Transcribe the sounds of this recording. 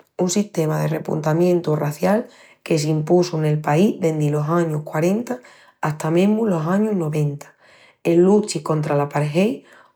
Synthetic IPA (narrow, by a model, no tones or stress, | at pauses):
unsiht̪e̞maðe̞re̞pṵnt̪amjẽ̞nt̪uraθjal | ke̞s̬impusune̞lpaiðe̞nd̪ilo̞saɲukwaɾe̞nt̪aː | ht̪amẽɦmulo̞saɲuɦno̞βẽ̞nt̪ḁ | elːut͡ʃiko̞nt̪ɾalapaɾɦej